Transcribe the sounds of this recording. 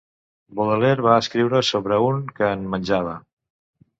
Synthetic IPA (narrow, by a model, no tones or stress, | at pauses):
boðəleɾβaəskɾiwɾəsoβɾəuŋkəːnmənʲʒaβ̞ə